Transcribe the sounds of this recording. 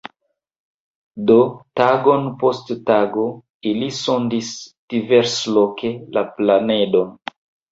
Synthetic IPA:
dotaɡo̞npo̞sttaɡo̞ | iliso̞ndisd̥ive̞ɾslokʰe̞laplane̞do̞n

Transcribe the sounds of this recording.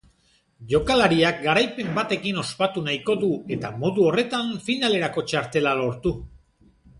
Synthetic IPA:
ʝo̞kalaɾiak̚ɡaɾajpe̞mbat̪e̞kino̞spat̪unajko̞ðue̞t̪amo̞ðuo̞re̞t̪aɱfinale̞ɾako̞t͡ʃaɾt̪e̞lalo̞ɾt̪u

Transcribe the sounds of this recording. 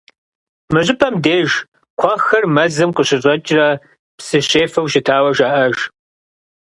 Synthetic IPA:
mɨʑʼɪpʰɐmdeːʒ | kʷʰɐxɐrmɐzɨmqəɕɪɕʼɐt͡ʃʼrɐ | psɨɕeːfɐwʃɪtʰaːwɐʒɐʔɐʒ

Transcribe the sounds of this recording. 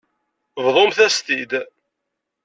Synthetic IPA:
vðˤomθæst̪id̪

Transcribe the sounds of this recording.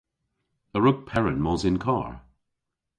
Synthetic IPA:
əɹʊɡ̚pʰɛɹə̃nmɔzɪ̃nkʰɑ̰ːɹ

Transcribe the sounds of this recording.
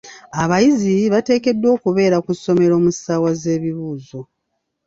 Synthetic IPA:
aβajiziβate̞ːke̞dːwo̞ːkuβe̞ːɾakuso̞me̞ɾo̞ːmusaːwaze̞ːβiβuːzo̞

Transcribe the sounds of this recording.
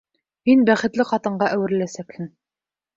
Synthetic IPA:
minbæχɘ̆t̪lɪqɑt̪ɤ̆ɴʁɑʔæwɘ̆ɾlæsækhɘn

